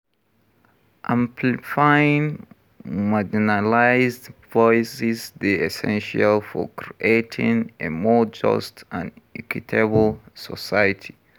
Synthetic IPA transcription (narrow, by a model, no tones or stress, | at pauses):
ʔãmpʰlifaĩn | mad͡ʒinalaɪzdvɔɪsɪzðeɛsɛ̰̃nʃalˠfɔ̰kʰɹiʔetʰĩŋemɔd͡ʒʌ̰stãnɛkwitʰebl̩ˠsɔsajətʰi